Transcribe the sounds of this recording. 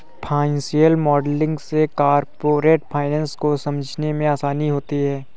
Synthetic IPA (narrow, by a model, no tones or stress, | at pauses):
pʰãːnsijəlmɔːɖlɪ̃ŋɡsekaːɾpoːɾeːʈpʰaːɪnɛ̃ːnskosɐməd͡ʒʱnemẽaːsaːniɦoːt̪iɦɛː